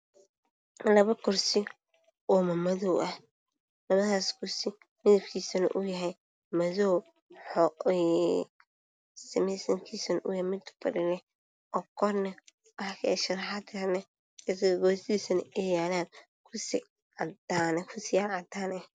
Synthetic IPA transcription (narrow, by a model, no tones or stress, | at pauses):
lɐβɐkʰʊrsɪ | ɔːmɐmɐðɔwʔɐh | lɐβɐðaːskʰʊsɪ | mɪðɐbkʰiːsɐnɐ̰ʔʊjɐɦɛj | mɐðɔw | ħɔɛ | sɐmɛjsɐŋkʰiːsɐnʔʊjhɛmɪd̪bɐ̰ɾɪlɛ | ɔkʰɔrnɐ | wɑħkʰɐɛʃɐɾħad̪ʰɐnɐ | ɪsɡɔːsiːsɐnɐɛjaːlaːn | kʰʊsi | ad̪ankʰʊsɪjaad̪aːnɛh